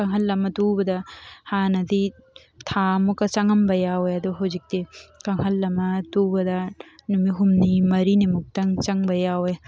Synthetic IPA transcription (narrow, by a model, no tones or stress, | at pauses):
kɐŋɦɐlːɐmɐt̪ubɐd̪ahaːnɐd̪i | t̪ʰaːmukɐt͡ʃɐŋɐmbɐjawjɐd̪oɦod͡ʒik̚t̪ekɐŋɦɐlːɐmɐt̪ubɐd̪anumiɦumnimɐɾinemuk̚t̪ɐŋt͡ʃɐŋbɐjawej